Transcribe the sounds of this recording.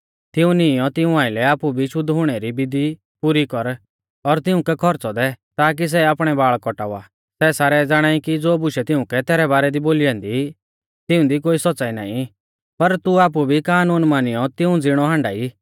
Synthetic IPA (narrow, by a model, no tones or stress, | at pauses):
t̪ɪũnɪ̃jɔt̪ɪũaːɪ̃lɛaːpubʱiʃʊd̪ʱɦʊɽ̃ɛɾibɪd̪i | puɾikɔɾ | ɔɾt̪ɪʊ̃kɛkʰɔɾt͡sɔd̪ɛt̪aːk̬is̬ɛaːpɽ̃ɛbaːɭkɔʈaːa̰ | sɛsaːɾɛd͡zaːɽ̃aːikid͡zoːbʊʃɛt̪ɪʊ̃kɛt̪ɛːɾɛbaːɾɛd̪iboːliãːnd̪i | t̪ɪũd̪ik̬oːisɔt͡saːina̰ːĩ | pɐɾt̪uaːp̬ubʱikaːnuːnmaːnijɔt̪ɪũd͡zɪɽ̃ɔɦãːɳɖa̰ːi